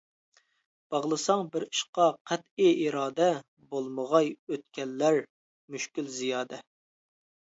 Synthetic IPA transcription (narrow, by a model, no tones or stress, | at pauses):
b̥ɑʁlˠɨsɑŋbɪɾi̥ʃqɑqʰæt̪iiɾɑːd̪ɛ | bolˠməʁɑjøt̪̚kʲɛlːæɾ | myʃkʲylzijɑːd̪ɛ